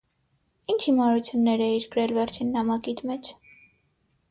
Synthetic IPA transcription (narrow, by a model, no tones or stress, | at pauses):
int͡ʃʰimɑɾut͡sʰjunːɛɾɛiɾkəɾɛlvɛɾt͡ʃʰinːɑmɑkit̪mɛt͡ʃʰ